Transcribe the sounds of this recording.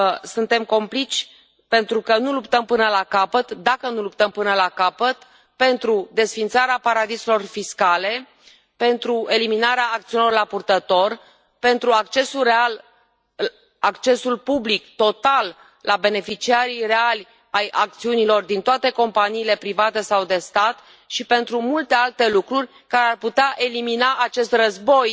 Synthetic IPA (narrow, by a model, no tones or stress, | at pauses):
sunt̪e̞mko̞mplit͡ʃʲ | pe̞nt̪ɾukənulupt̪əmpɨnəlakapət̪d̪akənulupt̪əmpɨnəlakapət̪ | pe̞nt̪ɾud̪e̞sfint̪saɾeapaɾad̪iselo̞rfiskale̞ | pe̞nt̪ɾue̞liminaɾeaːk̚t̪siunilo̞rlapurt̪ət̪o̞r | pe̞nt̪ɾuakt͡ʃe̞sulre̞al | akt͡ʃe̞sulpublikt̪o̞t̪alː | abe̞ne̞fit͡ʃiaɾire̞alʲ | ajʔak̚t̪siunilo̞rd̪int̪oat̪e̞ko̞mpaniːle̞pɾivat̪e̞sawd̪e̞st̪at̪ | ʃipe̞nt̪ɾumult̪e̞alt̪e̞lukɾurʲ | kaɾearput̪eaʔe̞liminaʔːt͡ʃe̞st̪rəzbo̞j